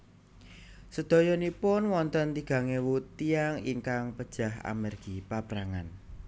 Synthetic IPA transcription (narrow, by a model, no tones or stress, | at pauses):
səd̪̥ɔ̤jɔnipʊnwɔnt̪ənt̪iɡ̥a̤ŋewut̪ːiaŋiŋkaŋpəd̥ʒ̥a̤ha̰mɛrɡ̥ipab̥ɾaŋan